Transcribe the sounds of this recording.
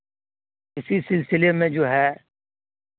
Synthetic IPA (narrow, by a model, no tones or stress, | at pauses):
ɪsisɪlsɪlemẽd͡ʒoːɦɛː